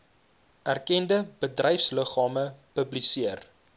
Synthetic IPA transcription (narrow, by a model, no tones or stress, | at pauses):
ʔærkɛndəb̥ədrɛjfsləχɑːməpəblisiər